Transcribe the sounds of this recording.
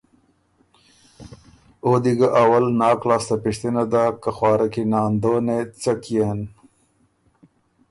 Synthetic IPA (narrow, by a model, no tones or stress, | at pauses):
od̪iɡaʔawalnɑːklɑːst̪apiʂt̪inad̪akaxwɑːɾakinɑːnd̪oːnet͡sakijan